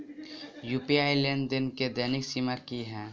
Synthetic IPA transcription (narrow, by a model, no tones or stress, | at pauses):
jupiaːɪlenɖd̪ɪnked̪ɛːnɪksiməɾkiɦɛ̃ː